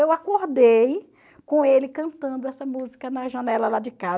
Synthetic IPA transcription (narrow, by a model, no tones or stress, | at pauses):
ewakoɾd̪ej | kõelɪkɐ̃nt̪ɐ̃nd̪ʊɛsɐmuzikɐnɐʒɐnɛlɐlad͡ʒɪka